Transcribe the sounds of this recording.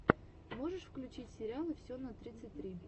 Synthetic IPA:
mo̞ʐɨʂfklʲʉt͡ɕitʲsʲɪɾʲɪalˠɨfsʲonət̪ɾʲit̪sɨtʲt̪ɾʲi

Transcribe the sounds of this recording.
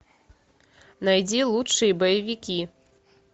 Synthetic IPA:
najd͡zʲɛlˠutʂɨjɛbɐjɐvʲikʲi

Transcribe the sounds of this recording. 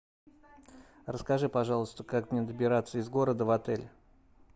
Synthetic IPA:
rəskɐʐɨpɐʐɑlˠəst̪əkakmnʲed̪əbʲɪɾat̪səɪzɡo̞ɾəd̪əvɐt̪ɛlʲ

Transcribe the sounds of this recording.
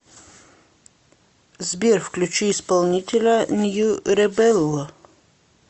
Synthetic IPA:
zbʲerfklʲʉt͡ɕiːspalˠnʲitʲelʲɐnʲjuɾɛbɛlˠːɔ

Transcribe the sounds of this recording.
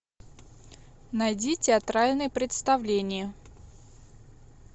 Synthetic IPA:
nɐjdʲitʲɪɐt̪ɾalʲnɨjəpɾʲɪt̪st̪ɐvlʲenʲɪjə

